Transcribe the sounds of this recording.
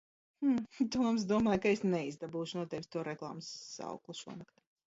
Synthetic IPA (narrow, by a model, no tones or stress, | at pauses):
t̪uɔms̬d̪uɔmaːjkaesnɛizd̪abuːʃunuɔt̪ɛvsʲt̪uɔɾɛklˠa̰ːmsːa̰wklˠuʃuɔmaka